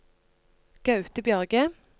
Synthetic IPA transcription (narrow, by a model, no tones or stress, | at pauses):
ɡ̥ɑʉt̪əbjœʁɡə